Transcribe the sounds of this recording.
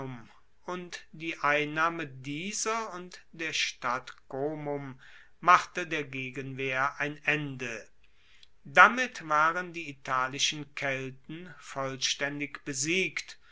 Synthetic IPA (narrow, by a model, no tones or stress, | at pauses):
ʊm | ʊntd̥iːʔaɪnːaːmədiːzɐʊntd̥eːɐʃtatɡ̥oːmʊmː | aχtədeːɐɡeːɡənveːɐʔaɪnʔɛndə | damɪtv̥aːʁəndiːitʰaːlɪʃən̩kʰɛltn̩fɔlʃtɛndɪkb̥əziːkt